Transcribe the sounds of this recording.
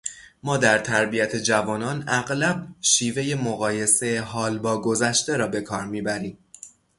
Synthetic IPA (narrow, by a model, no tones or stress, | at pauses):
mɒːd̪æɾt̪ʰæɾbijæt̪ʰe̞d͡ʒævɒːnɒːnæɣlæb̚ʃiːve̞je̞moɣɒːje̞se̞ɦɒːlbɒːɡo̞zæʃt̪e̞ɾɒːbe̞kʰɒːɾmiːbæɾiːm